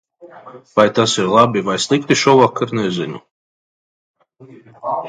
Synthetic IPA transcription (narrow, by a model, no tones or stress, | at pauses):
vajt̪asiɾlˠabivajslˠikt̪iʃuvakʰːaɾnɛzinṵ